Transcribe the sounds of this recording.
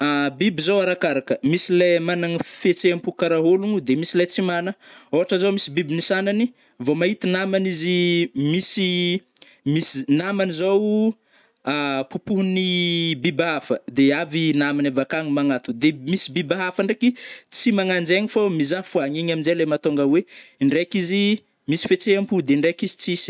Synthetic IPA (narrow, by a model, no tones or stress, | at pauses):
abibizowaɾakaɾakəmisilemanaŋifet͡seampukaɾaɦoluŋud̪emisilajt͡simanəoɦaʈ͡ʂəzawmisibibinisanani | vomaɦit̪inamanizimisi | misinamanizaw | apupuɦunibibaɦafəd̪eavinamanavakaŋimaŋat̪ud̪emisibibaɦafaɳɖ͡ʐekit͡simaŋand͡ʒeŋifamizafuaŋiɲaminzelajmat̪oŋɡaweɳɖ͡ʐekizi | misi̥fet͡seampud̪eɳɖ͡ʐekizi̥t͡sis